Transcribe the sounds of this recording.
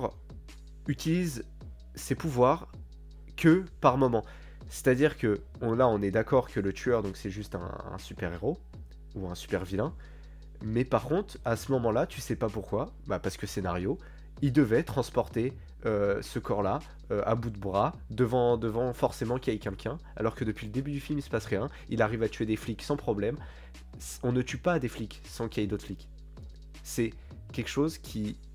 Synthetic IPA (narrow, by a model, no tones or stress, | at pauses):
ʁ | yt̪iliz | sepuvwaʁ | kʲəpaʁmɔmɑ̃ | se̥t̪ad̪iʁkə | ɔ̃laɔ̃nɛd̪akɔʁkələt̪ʰyœʁd̪ɔ̃ksɛʒyst̪ɛ̰̃ɛ̰̃sypɛʁeʁo | uɛ̃sy̥pɛʁvilɛ̃ | mɛpaʁkɔ̃t̪χasəmɔmɑ̃lat̪ysɛpapuʁkwa | bapaʁsə̥kəsenaʁjo | ild̪əvɛt̪χɑ̃spɔʁt̪e | øsəkɔʁla | øʔa̰bud̪əbʁad̪əvɑ̃d̪əvɑ̃fɔʁsemɑ̃kʲiajkʲɛ̃lkʲʰɛ̃a̰lɔʁkəd̪əpɥiləd̪ebyd̪yfilmisə̥pasʁjɛ̃ | ilaʁivat̪yed̪efliksɑ̃pχɔblɛm | ɔ̃nət̪ypad̪eflik | sɑ̃kʲiajd̪ot̪flik | sɛ | kʲɛlkə̥ʃozkʲʰi